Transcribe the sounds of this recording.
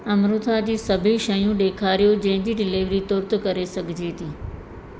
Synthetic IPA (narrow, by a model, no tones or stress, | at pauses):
ɐmɾʊt̪ʰad͡ʑiːsəbʱiʃəjũɗeːkʰaːɾijod͡ʑɐ̃ɦɪ̃d͡ʑiːɖɪleːʋɾit̪ʊɾt̪kəɾesɐɡʱd͡ʑiːt̪iː